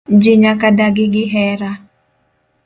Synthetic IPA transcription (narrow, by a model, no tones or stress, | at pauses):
d͡ʒiɲakadaɡiɡiɦɛɾa